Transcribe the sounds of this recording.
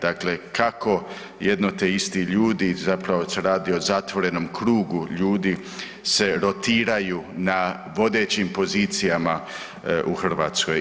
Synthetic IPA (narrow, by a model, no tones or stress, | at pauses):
d̪akle̞kʰako̞ | jed̪not̪eist̪iʎuːd̪izapɾaʋo̞se̞ɾaːd̪io̞zat̪ʋo̞ɾe̞no̞mkɾuːɡuʎuːd̪i | se̞ɾo̞t̪iːɾajuːna | ʋo̞d̪e̞ːt͡ɕimpo̞ziːt̪sijama | ʔuxr̩ʋaːt̪sko̞j